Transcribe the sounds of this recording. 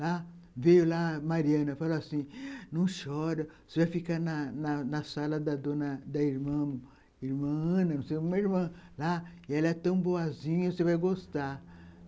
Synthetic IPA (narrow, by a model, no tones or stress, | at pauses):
lavejʊlamaɾiɐ̃nɐfaloasĩnɐ̃w̃ʃɔɾɐsevajfikanɐnɐnɐsalɐd̪ɐd̪õnɐd̪ɐiɾmɐ̃ | iɾmɐ̃nɐnũsejkmemɐiɾmɐ̃laɪɛlɐɛt̪ɐ̃w̃boazĩɲɐsevajɡost̪a